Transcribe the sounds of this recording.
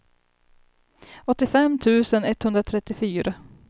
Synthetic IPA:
ɔt̪ːɪfɛmːt̪ʰʉ̟ːsənɛt̪hɵnd̪ɾat̪ʰɾɛt̪ːɪfyːɾa

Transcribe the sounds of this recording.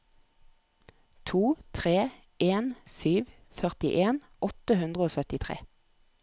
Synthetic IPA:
t̪ʰuːt̪ʰʁeː | ʔeːnsyːʋ | fœʁt̪ɪʔeːn | ʔɔt̪əhʉnd̪ʁəoːsœt̪ɪt̪ʰʁḛː

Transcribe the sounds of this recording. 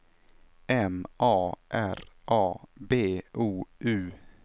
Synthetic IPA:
ɛmʔɑːʔæɾʔɑːbeːʔuːʔʉː

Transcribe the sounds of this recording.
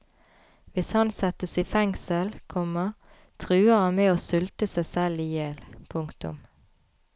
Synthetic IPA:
ʋɪshɑnsɛt̪əsiːfɛŋsəlkʰɔməʁ | t̪ʰʁʉːəʁhɑnmeːoːsʏlt̪əsæɪsɛliːjɛlpʰʊŋkt̪ʊ̰m

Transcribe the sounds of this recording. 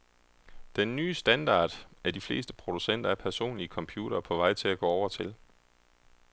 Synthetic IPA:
d̥enːyːsd̥ænd̥ɑ̰̈ːd̥æɐd̥ifle̝̰ːsd̥ə̥pʰʁo̝d̥usen̰d̥ɐæɐpʰæɐso̝̰ːnliəkʰɒ̽mpʰjuːɾ̥ɐːpʰɒ̽ʋɑ̈ɪ̰t͡sʰe̝læɡ̥ɔ̰ːɒʊɐt͡sʰe̝l

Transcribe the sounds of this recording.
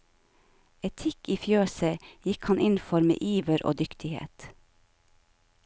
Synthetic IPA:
ɛt̪ʰɪkiːfjøːsəjɪkhɑnʔɪnfɔɾmḛːʔiːʋəɾʔo̰ːd̪ʏkt̪ʰɪhḛːt̪

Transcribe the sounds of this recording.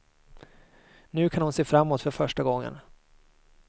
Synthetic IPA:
nʉ̟ːkʰanhʊnseːfɾamːoːt̪fœɾfœʂʈaɡɔŋːə̰n

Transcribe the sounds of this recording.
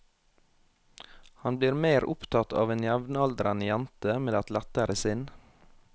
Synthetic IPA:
hɑnbliːɾmeːɾʔʊ̰pt̪ʰɑt̪ʰɑ̰ːʋeːnjæʋnɑld̪ɾɑnəjænt̪əmeːd̪æt̪læt̪əɾʔəsɪn

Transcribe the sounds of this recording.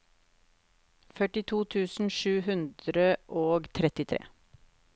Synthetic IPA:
fœʈɪt̪ʰuːt̪ʰʉːsn̩ʃʉːhʉnd̪ɾəʔoːɡt̪ʰɾɛt̪ɪt̪ʰɾḛː

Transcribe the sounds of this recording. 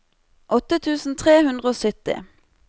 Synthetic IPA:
ʔɔt̪ət̪ʰʉːsn̩t̪ʰʁeːhʉnd̪ʁəoːsœt̪ɪ̰

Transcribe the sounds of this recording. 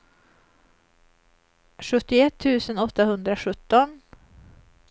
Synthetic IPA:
ʂɵt̪ːɪɛt̪ʰːʉ̟ːsənɔt̪ːahɵnd̪ɾaɧɵt̪ːɔn

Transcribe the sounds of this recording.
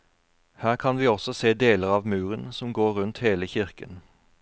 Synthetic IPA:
hæːʁkʰɑnʋiːɔsɔseːd̪eːləʁɑːʋmʉːʁənsɔmɡoːʁʉnt̪heːləçɪʁkən

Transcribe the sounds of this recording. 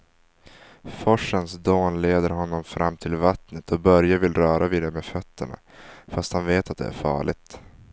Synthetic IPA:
fɔʂːənsd̪oːnleːd̪əɾɦɔnːɔmfɾamːt̪ʰɪlvat̪nət̪ʰɔbœɾjavɪlɾœːɾʔaviːd̪ɛmefœt̪ʰːəɳa̰ | fast̪hanveːt̪at̪̚d̪ɛ̰æ̰ɾfɑ̰ːɭɪɡ̚t̪

